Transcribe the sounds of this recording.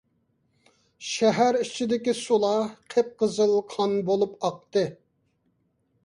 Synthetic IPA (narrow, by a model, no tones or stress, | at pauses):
ʃɛɦæɾit͡ʃʰid̪ɪkʲisulˠɑqʰep̚qəzɨlˠqʰɑnbolˠupɑq̚t̪ɨ